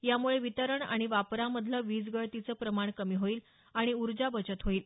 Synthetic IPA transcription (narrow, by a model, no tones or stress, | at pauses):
jamuɭeʋit̪əɾəɳa̰ɽ̃iʋapɾaməd̪ʱləʋiːd͡zɡəɭt̪it͡səːpɾəmaɳkəmiːɦoiːl | aɽ̃iuɾd͡ʑabət͡ɕət̪ɦoiːl